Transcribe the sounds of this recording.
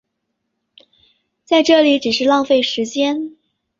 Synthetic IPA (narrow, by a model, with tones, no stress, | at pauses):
t͡sa˥˧ɪʈ͡ʂɤ˥˩li˨˧˥ʈ͡ʂɻ̩˨˩ʂɻ̩˥˧lɑ˥˧ŋfe˥˩ɪʂɻ̩˧˥t͡ɕjɛ˥n